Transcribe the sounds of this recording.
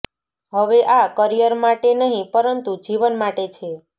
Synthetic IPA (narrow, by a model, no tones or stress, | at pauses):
ɦəʋeʔakəɾijəɾmaʈenəɦĩpəɾənt̪ud͡ʒiʋənmaʈet͡ʃʰe